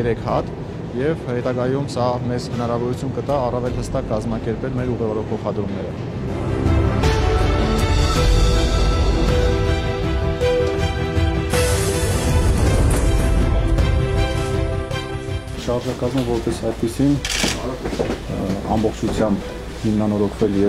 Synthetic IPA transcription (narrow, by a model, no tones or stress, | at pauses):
jɛɾɛkʰhɑt̪ | jɛvhɛt̪ɑɡɑjumsɑmɛzhənɑɾɑvɔɾut͡sʰjunkət̪ɑːrɑvɛlhəst̪ɑkːɑzmɑkɛɾpɛlmɛɾuʁɛvɔɾɔpʰɔχɑd̪ɾumnɛɾə̰ | ʃɑɾʒɑkɑzmɔvɔɾpɛsɑjd̪pisin | ɑ̰mbɔχt͡ʃʰut͡sʰjɑmb | himnɑnɔɾɔkʰvɛljɛ